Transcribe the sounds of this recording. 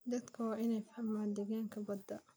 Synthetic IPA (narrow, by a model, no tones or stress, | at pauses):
d̪ɐd̪kʰɐwɑːʔɪnɛjfħɐmaːd̪ɪɣaːŋkʰɐbɐd̪ːɐ